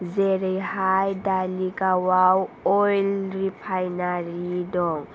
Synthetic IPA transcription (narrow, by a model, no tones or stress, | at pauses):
zɛɾejhajdalikʼawawɔjlripʰajnaɾidɔŋ